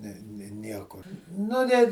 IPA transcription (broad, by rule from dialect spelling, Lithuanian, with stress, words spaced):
nʲɛ nʲɪ ˈnʲiɛkʊr ˈnʊ nʲɛt